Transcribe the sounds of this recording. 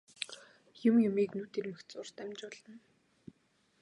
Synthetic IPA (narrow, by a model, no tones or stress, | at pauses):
jʊmjʊmiːknuːt̪ʰermɘ̆xt̪t͡sʊr̥t̪æmʲt͡ɕpɔɮə̆n